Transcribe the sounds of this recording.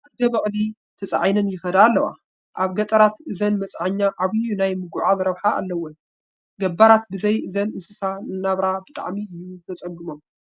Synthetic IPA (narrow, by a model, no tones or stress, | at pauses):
aɡɐβɐχʼli | t̪ʰɐt͡sʼʕajnɐnjɪxɐd̪aːlːɐwa̰ | ʔaβɡɐt̪ʼɐɾat̪ɨzɐnmɐt͡sʼʕaɲːaʔaβɨjunajmɨɡuʕalɾɐβħaa̰lːɐwo | ɡɐbːaɾat̪̚bɨzɐjɨzɐnɨsɨsaɨnːaβɾabɨt̪ʼa̰ʕmiɨjːuzʰɐt͡sʼɐɡɨmom